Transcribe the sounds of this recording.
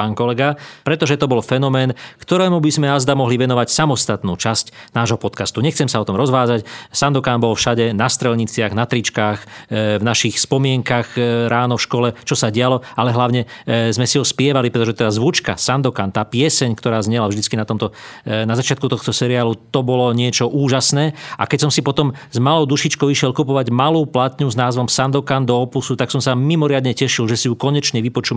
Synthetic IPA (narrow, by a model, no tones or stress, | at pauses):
paːnkɔlɛɡapɾɛt̪ɔʒɛt̪ɔbɔlfɛnɔmɛːnkt̪ɔɾɛːmubizmɛazd̪amɔɦliʋɛnɔʋacsamɔst̪at̪nuːt͡ʃascnaːʒɦɔpɔt̪kast̪uɲɛxt͡sɛmsaɔt̪ɔmɾɔzʋaːd͡zacsand̪ɔkaːnbɔlfʃaɟɛnast̪ɾɛlɲit͡sɪaɣnat̪ɾit͡ʃkaːxvnaʃixspɔmɪɛŋkaɣɾaːnɔfʃkɔlɛt͡ʃɔsaɟɪalɔalɛɦlaʊɲɛzmɛsiɦɔspɪɛʋalipɾɛt̪ɔʒɛt̪ɛd̪azʋut͡ʃka̰sand̪ɔkant̪aːpɪɛsɛɲkt̪ɔɾaːzɲɛlavʒd̪it͡skinat̪ɔmt̪ɔnazat͡ʃɪat̪̚kut̪ɔxt̪ɔsɛɾiaːlut̪ɔbɔlɔɲɪɛt͡ʃɔʔuːʒasnɛːa̰kɛcsɔmsipɔt̪ɔmzmalɔʊd̪uʃit͡ʃkɔʊiʃɪɛlkupɔʋaɟmaluːplat̪ɲuznaːzʋɔmsand̪ɔkand̪ɔːpusut̪aksɔmsamimɔɾɪad̪ɲɛcɛʃilʒɛsijukɔɲɛt͡ʃɲɛʋipɔt͡ʃuːm